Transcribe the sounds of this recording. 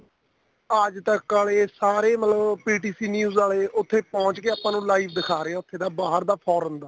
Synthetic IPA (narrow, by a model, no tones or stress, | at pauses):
əd͡ʒt̪ə̃kːaːleːsaːɾeːmət̪ləbpiːʈiːsiːnjuːzaːleːʔʊt̪ʰːeːpɔ̃ːt͡ʃkeːaːpãːnũːlaːiːpʰd̪ɪkʰaːɾeːaːʊt̪ʰːeːd̪aːbaːɦəɾd̪aːpʰɔːɾəmd̪aː